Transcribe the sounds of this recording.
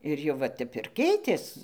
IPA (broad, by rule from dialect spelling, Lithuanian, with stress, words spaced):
ɪr jɛʊ ˈʋɐ ˈtʲɛp ɪr ˈkʲɛɪtʲeːs